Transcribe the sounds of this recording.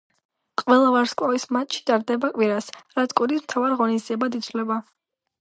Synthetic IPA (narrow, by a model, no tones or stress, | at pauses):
qʼwɛlˠavaɾskʼwavismat̪ʼʃi̥t̪ʼaɾd̪ɛbakʼwiɾasɾat̪skʼuɾismt̪ʰavaɾiʁɔnisd̪ziɛbad̪id̪zʰvlɛba